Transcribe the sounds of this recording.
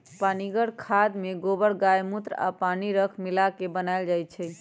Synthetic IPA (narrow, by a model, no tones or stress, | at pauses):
paniɡəɽkʰad̪meɡobəɽɡajmut̪ɾa̰paniɾəkʰmilakebənajld͡ʒajt̪t͡ʃʰɛ